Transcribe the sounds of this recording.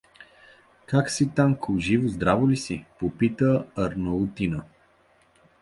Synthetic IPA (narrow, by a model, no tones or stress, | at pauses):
kaksit̪aŋkʊʒivozd̪ɾavolisipopit̪əɐɾnot̪inə